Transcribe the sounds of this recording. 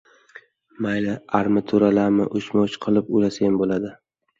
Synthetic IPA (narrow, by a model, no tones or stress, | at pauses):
majlɪaɾmɪt̪ʰʊɾalamɪʔʊʃmɒwt͡ʃqʰɨlˠɪpʊlasajambolad̪ɪ